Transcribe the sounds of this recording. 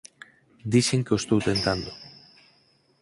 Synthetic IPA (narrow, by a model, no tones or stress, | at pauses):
d̪iseŋkeost̪owt̪e̞nt̪and̪o